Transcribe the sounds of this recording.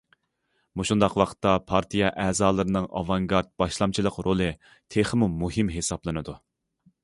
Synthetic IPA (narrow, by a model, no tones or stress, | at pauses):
muʃund̪ɑqwɑqʰə̥t̪ːɑpʰɑɾt̪ʰijɑʔɛːzɑːlˠɨɾɨnɨŋɑ̰vɑŋɡɑɾt̪̚b̥ɑʃlˠɑmt͡ʃʰilˠəqɾʔolˠɨ | t̪ʰeχɨmumuhɨmɦesɑblˠɨnɨd̪u